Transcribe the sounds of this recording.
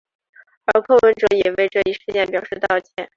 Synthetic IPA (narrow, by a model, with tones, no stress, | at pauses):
ə˞˧˥kʰɤ˥˩wə˧˥nʈ͡ʂɤ˧˥jɛ˨˩we˥˧ɪʈ͡ʂɤ˥˧i˥˩ʂɻ̩˥˧t͡ɕjɛ˥˩npjɑ˨˩ʊʂɻ̩˥˧t̪ɑ˥˩ʊt͡ɕʰjɛ̰˧˥˩n